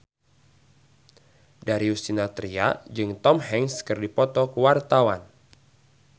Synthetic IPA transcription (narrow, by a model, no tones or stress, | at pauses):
daɾiusinat̪ɾia̰d͡ʒɨŋt̪ɔmhɛŋskɨrdipɔt̪ɔkəwart̪awan